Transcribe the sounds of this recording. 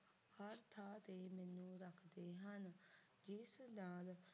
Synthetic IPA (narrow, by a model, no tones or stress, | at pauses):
həɾt̪ʰaːt̪eːmɛːnũːɾəkʰd̪eːɦən | d͡ʒɪsnãːl